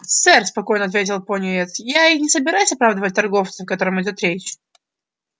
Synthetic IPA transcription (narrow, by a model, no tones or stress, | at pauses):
sɛrspɐko̞jnəɐt̪vʲetʲɪlˠponʲɪɛt̪sjaixnʲɪsəbʲɪɾajʊsʲɐpɾavd̪əvətʲt̪ɐrɡo̞ft̪səfkɐt̪o̞ɾəmɪdʲo̞t̪ɾʲet͡ɕ